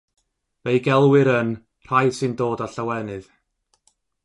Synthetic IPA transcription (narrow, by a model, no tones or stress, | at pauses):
vejɡɛlˠwɨɾən | r̥ajsɨndoːdɔɬawɛnɨð